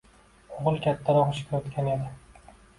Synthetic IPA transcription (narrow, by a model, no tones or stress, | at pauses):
oʁɨlˠkʲʰat̪ʰːaɾɒχɒʃkʲaot̪kʲʰane̞d̪ɪ